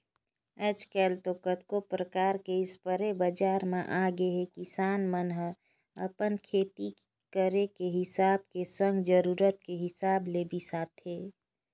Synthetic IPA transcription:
ɛd͡ʒkɛlt̪okət̪kopɾəkaːɾkeɪspəɾebəd͡ʒaːɾmeʔaɡeɦekisaːnmənɦə | əpənkʰeːt̪i | kəɾekeɦɪsaːb̚kesə̃ŋɡd͡ʒəɾuːɾət̪̚keɦɪsaːblebisat̪ʰɦe

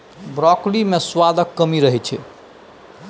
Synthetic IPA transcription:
bɾɔklimeswad̪əkːəmiɾəɦɛt͡ʃʰɛ

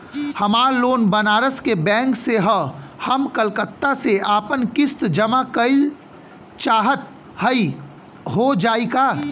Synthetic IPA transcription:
hɐmaːɾloːnbɐnaːɾəskebɛ̃ːŋkseɦəhɐmkəlkət̪ːaseʔaːpənkɪst̪d͡ʒɐmakəɪl | t͡ʃaːɦət̪ | həi | ɦod͡ʒaːikaː

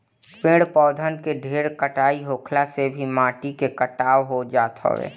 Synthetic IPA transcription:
pẽɽpɔːd̪ʱənkeɖʱeːɾkəʈaːiɦoːkʰlasebʱimãːʈikekəʈaːoɦod͡ʒaːt̪ɦo̰ʋḛː

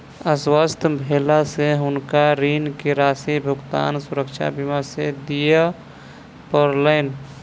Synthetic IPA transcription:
əswəst̪ʰbʱelaseɦʊnkaɾinkeɾaːsibʱʊɡt̪a̰nsuɾəkt͡ʃʰa̰bimased̪ijə | pəɾləɪn

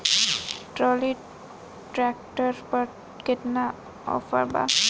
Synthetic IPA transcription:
ʈɾɔli | ʈɾɛk̚ʈəɾpəɾ | keʈ̪na | ɔ̰fə̰ɾba̰

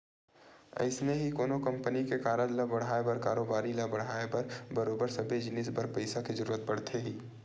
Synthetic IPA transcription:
ɐ̰ɪsmeɦikoːnokɐ̃mpənikekaːɾənlɐbɐɽ̤ɦaːebɐɾkaːɾoːbaːɾiləbɐɽ̤ɦaːepɐɾbɐɾoːbəɾsɐbed͡ʒɪnɪːsbɐɾpɐɪsakizɐɾuːɾət̪̚bɐɽ̤t̪ʰeɦiː

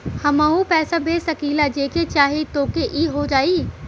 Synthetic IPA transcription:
hɐmaːũpɛːsabeːsɐkiːlad͡ʒeːket͡ʃaːɦet̪oːkeʔiːɦod͡ʒaːiː

